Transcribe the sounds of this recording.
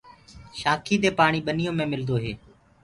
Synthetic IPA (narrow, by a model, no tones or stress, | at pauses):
ʃaːkʰiːd̪eːpaːɳ̃iːɓənijõːmẽːmɪld̪oːɦḛː